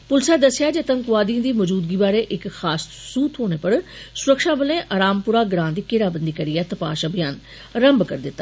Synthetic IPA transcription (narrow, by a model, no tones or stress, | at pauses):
pʊlɪsaːd̪əsɪjaːd͡ʒet̪əŋkʋaːd̪ĩd̪iːməd͡ʒuːd̪ɡiːbaːɾeːʔɪkxaːssuːt̪ɦoːɽ̃eːpəɽsʊɾəkʃaːbəlẽːʔaɾaːmpʊɾaːɡɾãːnd̪iːkɪɾaːbənd̪iːkəɾijaːt̪əpa̰ːʃəbʱɪjaːn | ɾəmbkəɾd̪ɪt̪ːḁ